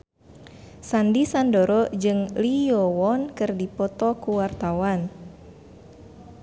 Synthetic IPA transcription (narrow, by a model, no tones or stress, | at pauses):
sandisandoɾɔd͡ʒɨŋliɔwɔnkɨrdipɔt̪ɔkuwart̪awan